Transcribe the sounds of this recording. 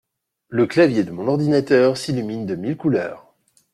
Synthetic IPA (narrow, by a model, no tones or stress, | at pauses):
ləklavjed̪əmɔ̃nɔʁd̪inat̪œʁsilymind̪əmilkulœ̰ːʁ